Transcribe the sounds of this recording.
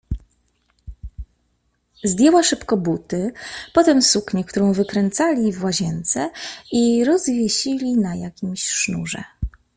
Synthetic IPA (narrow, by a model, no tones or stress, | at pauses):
zd̪ʲjɛwaʂɘpkɔbut̪ɘpɔt̪ɛmsukɲɛk̚t̪uɾɔ̃w̃vɘkɾɛnt̪salʲivwaʑɛnt̪sɛiɾɔzvʲjeɕilʲinajakʲimɕʂnuʐɛ̰